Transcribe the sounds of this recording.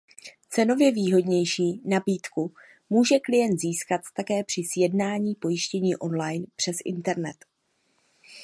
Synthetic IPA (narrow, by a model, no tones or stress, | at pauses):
t͡sɛno̞vjɛviːɦo̞dɲɛjʃiːnabiːt̪ku | muːʒɛklɪjɛnt̪ziːskat̪t̪akɛːpr̥ɪsjɛdnaːɲiːpo̞jɪʃcɛɲiːʔo̞nlajnpr̥ɛsʔɪ̰nt̪ɛɾnɛt̪